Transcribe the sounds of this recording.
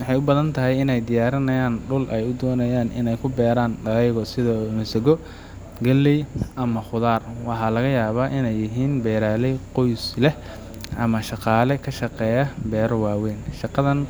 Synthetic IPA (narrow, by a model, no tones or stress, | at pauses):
wɑħɑjʊbɐðɐnt̪ʰɐɦɛjɪnɛjd̪ɪjaːɾɐnɐjaːnɖʊlʔɛjʊd̪ɔːnɐjaːnʔɪ̰nɛjkʰʊbɛːɾaːnɖɐɐjɣɔsɪðɐmɪsɐɣɔ | ɡɐlːɛjʔɐmɐχʊðaːrwɑħɑlɐɣɐjaːβaːʔɪnɛjːɪɦiːnbɛːɾaːlɛjqɔjslɛ | ʔɐmɐʃɑqɑːlɛkʰɐʃɑqɛːjɐbɛːɾɔwɑːwɛːnʃɑqɑðɐn